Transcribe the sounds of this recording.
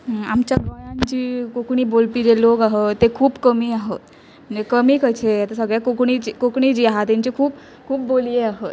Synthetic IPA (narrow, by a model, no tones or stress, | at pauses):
ɦamt͡ɕjaɡəjant͡ɕiːkokɳ̃iːbolpid͡ʑelokaɦet̪ːekʰuːbkəmiːaɦet̪ | m̤əɳd͡zd͡ʑekəmiːkət͡ɕʰejat̪əsəɡɭjakokɳ̃it͡ɕikokɳ̃id͡ʑiːaɦat̪jaɲt͡ɕekʰuːp | kʰuːpbolijeaɦət̪